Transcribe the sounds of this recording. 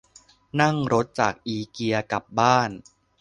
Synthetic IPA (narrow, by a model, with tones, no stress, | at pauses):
na˥˩ŋɾo˦˥t̪̚t͡ɕa̰ː˨˩k̚ʔiː˧ki˧ɐka˨˩p̚baː˥˩n